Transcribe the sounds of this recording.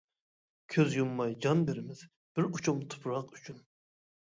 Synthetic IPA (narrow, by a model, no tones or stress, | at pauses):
kʲʰøzjumːɑjd͡ʒɑnbeɾɪmɪz̥ | b̥ɪɾut͡ʃʰumt̪ʰu̥pɾɑqy̥t͡ʃʰyn